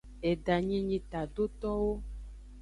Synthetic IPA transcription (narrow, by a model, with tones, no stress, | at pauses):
e˨ɖa˨ɲĩ˦ɲĩ˦t̪a˨ɖo˦t̪ɔ˦wo˦